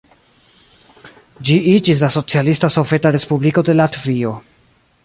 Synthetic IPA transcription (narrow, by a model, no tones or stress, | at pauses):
d͡ʒiid͡ʒis̬laso̞t͡sialistaso̞ve̞taɾe̞spubliko̞de̞latvio̞